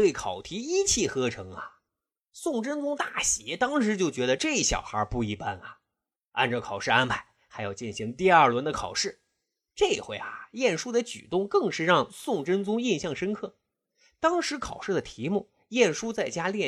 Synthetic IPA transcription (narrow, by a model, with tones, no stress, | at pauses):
t̪we˥˩ɪkʰɑ˨˩ʊt̪ʰi˧˥i˥t͡ɕʰi˥˩xɤ˥ʈ͡ʂʰɤ˧˥ŋɐ˧ | sʊ˥˩ŋʈ͡ʂə˥nt͡sʊ˥ŋt̪a˥˩ɕjɛ˧˥t̪ɑ˥ŋʂɻ̩˧˥t͡ɕjo˥˩ʊt͡ɕɥɛ˧˥d̪ə˧ʈ͡ʂɤ˥˧i˥˩ɕjɑ̰˨˩ʊxə˞˧˥pu˥˩i˧˥pa˥nɐ˨ | a̰˥˩nʈ͡ʂə˧˩kʰɑ˨˩ʊʂɻ̩˥˧a˥npʰa˧˩˦ɪ | xa˧˥ɪjɑ˥˧˩ʊt͡ɕi˥˩nɕi˧˥ŋt̪̬i˥˧ɐ˞˥˩lwə˧˥nd̪ə˧kʰɑ˨˩ʊʂɻ̩˥˩ | ʈ͡ʂɤ˥˩i˧˩xwe˧˩ɪa˩jɛ˥˩nʂu˥d̪ə˧t͡ɕy̰˨˩t̪ʊ˥˧ŋkɤ˥˧ŋʂɻ̩˥˧ɻɑ˥˧ŋsʊ˥˩ŋʈ͡ʂə˥nt͡sʊ˥ŋi˥˧nɕjɑ˥˩ŋʂə˥nkʰɤ˥˩ | t̪ɑ˥ŋʂɻ̩˧˥kʰɑ˨˩ʊʂɻ̩˥˩d̪ə˩t̪ʰi˧˥mu˥˩ | jɛ˥˩nʂu˥t͡sa˥˩ɪt͡ɕja˥ljɛ˥˩